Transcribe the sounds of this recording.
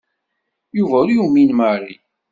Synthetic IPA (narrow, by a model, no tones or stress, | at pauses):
juvəɾjuminməɾi